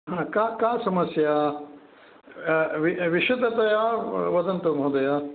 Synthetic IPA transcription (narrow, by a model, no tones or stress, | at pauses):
ɦãkaːkaːsɐmɐsjaː | ʋiʋiʃɐt̪ɐt̪ɐjaʋɐd̪ɐnt̪omɐɦud̪ɐjaː